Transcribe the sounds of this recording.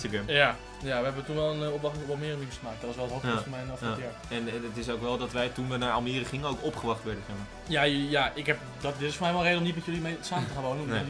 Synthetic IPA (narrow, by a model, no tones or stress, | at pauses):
səɡɛmja | jaʋəɦɛbəʋətunʋɛlˠənɔpʋɑχtɪŋɔlˠmɪːrəmimsχəmaːk̚tdɔtɔsʋɛlˠətotɔtfɔnmɛjnɔfa | ɛnətɪsowkʋɛlˠdɔtʋɛjtunʋɛnaːɹa̰lˠmiːrəχɪŋəowkopχəʋɑχtʋɛɹdəsɛχmaːɹ | jajaɪkɦɛp | dɔtdɪtɪsfoɹmɛjʋɛlˠrejdəomnit̚mɛtjølˠimesaːmətəχanʋownənom